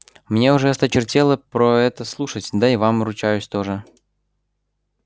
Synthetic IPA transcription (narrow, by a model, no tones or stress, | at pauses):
mnʲe̞ʊʐɛst̪ət͡ɕɪrtʲelˠəpɾoɛt̪əslˠuʂətʲd̪aivamɾʊt͡ɕæjʉsʲt̪oʐə